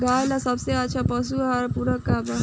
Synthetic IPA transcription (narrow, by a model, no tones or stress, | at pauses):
ɡajlasʌbseat͡ʃʰʌpʌs̬uɦʌɾpuɾʌkːabʌ